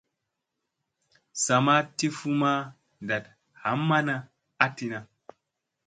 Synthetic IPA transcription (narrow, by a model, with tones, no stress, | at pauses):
sa˨ma˦ti˦fu˦ma˦ | n˨da˨t | ha˨˦mːa˦na˦ | a˦ti˨na˨